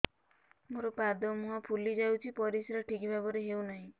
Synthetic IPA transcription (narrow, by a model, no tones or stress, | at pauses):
moɾopad̪ɔmuɦapʰulid͡ʒawt͡ʃʰipɔɾisɾɔʈʰikibʱapɔɾeɦewnaɦĩ